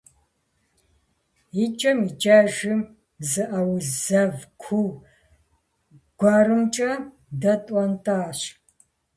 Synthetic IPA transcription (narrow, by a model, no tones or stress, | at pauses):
jit͡ʃʼɐmit͡ʃʼaʒɨm | zɨʔɐwzɐvkʷʰuw | ɡ̥ʷaːɾɨmt͡ʃʼɐ | dɐtʼɐntʰʼaːɕ